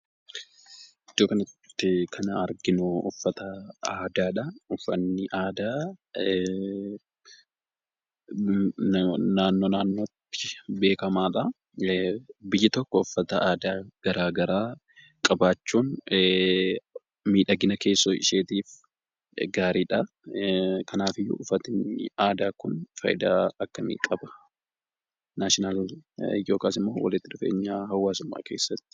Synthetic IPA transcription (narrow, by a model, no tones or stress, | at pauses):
ʔɪd͡ʒ̪ːoːkɐnɐt̪ːɪkʰɐnɐɐɾɡɪnuʊfːɐt̪ɐaːd̪aːᶑɐʊfːɐnːɪʔaːd̪aː | naːnːoːnaːnːoːt̪ːɪ̥be̞ːkɐmaːᶑɐ | bɪjːɐt̪ɔkːɔʊfːɐt̪ɐʔaːd̪aːɡ̥ɐɾaːɡɐɾaː | kʼɐbaːt͡ʃːuːn | miːᶑɐɡɪnɐke̞ːsːoːɪ̰ʃeːt̪iːf | ɡaːɾiːᶑɐ | kɐnaːfɪjːʊ̰ʊfɐt̪ɪaːd̪aːkʊnfɐ̰jɪd̪aːɐkːɐmɪ̰kʼɐbɐ̥ | naʃɪnɐljo̞ːkaːsɪmːo̞ːwɐ̰lɪt̪ːɪd̪ʊfe̞̰ːɲːaːhɐwːaːsʊmːa̰ːke̞ːsːɐt̪ːɪ̥